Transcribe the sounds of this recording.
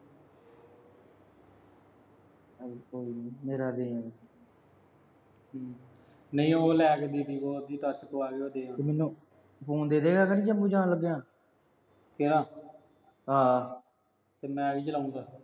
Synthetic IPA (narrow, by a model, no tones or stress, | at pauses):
əloːiːniːmeːɾaːd̪eːãː | nəĩːoːlɛːkd̪iːd̪iːbɔːd̪iːt̪ət͡ʃkoːaːɡeːoːd̪eːãːeːmɛːnːũː | pʰoːnd̪eːd̪eːɡaːkːnĩd͡ʒəmbuːd͡ʒãːləɡːeːãː | keɾãː | ɦaː | t̪eːmɛ̃ːəɡiːt͡ʃəlaːũnd̪aː